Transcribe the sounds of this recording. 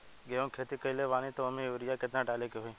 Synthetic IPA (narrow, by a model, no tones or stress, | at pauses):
ɡeõːkʰeːt̪iːkəileːʋaːnĩːt̪oːəmẽːʊɾɪjaːkɪt̪nãːɖaːleːkeɦoĩː